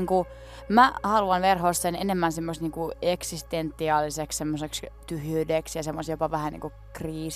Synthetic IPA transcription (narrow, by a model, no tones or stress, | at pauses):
ŋku | mæhɑluɑnʋerɦosːenenemːænsemːost̪niːŋkueksist̪ent̪ːiɑːlːisekssemːosekst̪yhyːdeksjɑsemːost̪jopɑʋæhænḭːŋku | kriːs